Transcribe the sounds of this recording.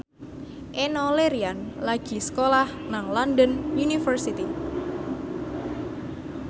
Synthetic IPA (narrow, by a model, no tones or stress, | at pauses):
ʔenɔleɾianlaɡ̥i̤sə̥kolahnaŋlɔndənunifərsit̪i